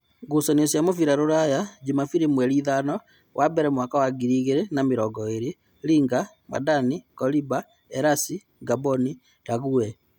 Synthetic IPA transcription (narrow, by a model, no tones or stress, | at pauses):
ɡosaniosjamofiɾaɾoɾajad͡ʒimafiɾimwɛɾiðanɔ | wʔabɛɾɛmwakawaɡiɾiɣeɾenameɾɔɡɔeɾe | ɾiːŋɡa | ma̰danikɔliba | ɛɾasi | ɡabɔni | ɾaɣuɛ